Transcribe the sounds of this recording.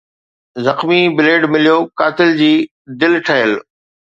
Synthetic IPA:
zɐxmibɪleːɖmɪlijoːkaːt̪ɪld͡ʑiː | d̪ɪlʈʰəɦəl

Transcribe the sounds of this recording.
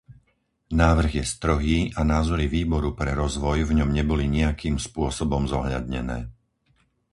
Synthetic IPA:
naːʋr̩ɣjɛst̪rɔɦiːʔanaːzɔɾiʋiːbɔɾupɾɛɾɔzʋɔjvɲɔmɲɛbɔliɲiakʰiːmspʊɔsɔbɔmzɔɦʎa̰d̪ɲɛnɛ̰ː

